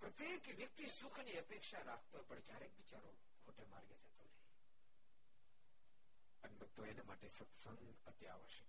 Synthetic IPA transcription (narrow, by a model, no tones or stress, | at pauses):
pɾət̪jekʋjək̚t̪isukʰniəpekʃaɾakʰt̪oepəɳkjaɾekʋit͡ʃaɾo | kʰoʈema̰ɾɡed͡ʒət̪onei | ənbət̪ːoenemaʈesət̪səŋɡ | ət̪ja̰ʋəʃek